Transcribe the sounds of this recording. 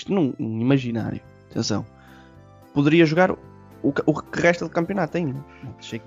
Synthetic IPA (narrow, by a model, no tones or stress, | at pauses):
ʃt̪unɐ̃w̃nɐ̃w̃imɐʒina̰ɾju | ɐt̪ʰḛ̃sɐ̰̃w̃ | puðɨɾiɐʒuɣaɾ | ukʔukɨʁɛʃt̪ɐðukɐ̃mpjunat̪ːẽũ | ɐ̃ʃejk